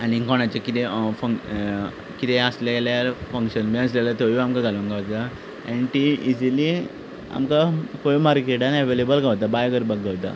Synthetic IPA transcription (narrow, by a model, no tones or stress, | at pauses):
anikɔɽ̃at͡ɕakit̪efə | kit̪ɛəslaljaɾfəŋkɕənbẽəs̬lalat̪oʋiamkaɡʱalunɡaʋt̪a | a̰niʈiid͡ʑili | a̰mkakoimaɾkeʈanɛʋelebəlɡaʋt̪̬abajɡəɾbakɡaʋt̪a̰